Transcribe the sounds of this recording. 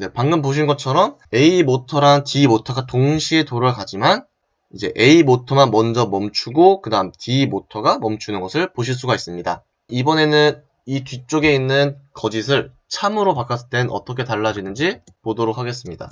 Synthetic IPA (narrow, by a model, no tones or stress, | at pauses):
ne̞paŋɡɯnpoɕ̬ʰinɡʌt͡ɕʰʌɾʌm | e̞imotʰʌɾantimotʰʌɡatoŋɕʰie̞toɾakad͡ʑiman | id͡ʑe̞̰ʔe̞imotʰʌmanmʌnd͡ʑʌmʌmt͡ɕʰuɡokɯdaɯmtimotʰʌɡamʌmt͡ɕʰunɯnɡʌsʰɯɭpoɕʰiɭs̬͈uɡais͈ɯmɲida̰ | ibʌne̞nɯn | itɥit͡ɕ͈oɡe̞inːɯnkʌd͡ʑis̬ʰɯɭ | t͡ɕʰamɯɾopak͈ʰas͈ɯt͈e̞nʌ̰t͈ʌkʰe̞taɭːad͡ʑinɯnd͡ʑi | podoɾokʰaɡe̞s͈ɯmɲida̰